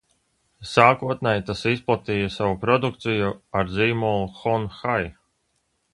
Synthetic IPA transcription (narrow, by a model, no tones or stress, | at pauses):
saːkuɔt̪nɛjt̪asisplˠat̪iːjasavupɾɔd̪ukt̪sijuaɾziːmulˠuxɔnxaj